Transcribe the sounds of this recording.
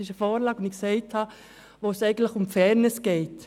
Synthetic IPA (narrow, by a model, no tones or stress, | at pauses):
ɪʃəfɔːɾlɑːkʊndɪksɛɪthɑ | ʋoːsɛɪɡən̩tləxʊmfɛːɾnɪsɡ̥ɛɪt